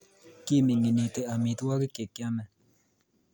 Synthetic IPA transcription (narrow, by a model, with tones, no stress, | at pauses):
ki˦mi˨ŋi˨ni˨t̪e˦a˨mi˨t̪wa˦ɡi˦ke˨kːja˦mɛ˨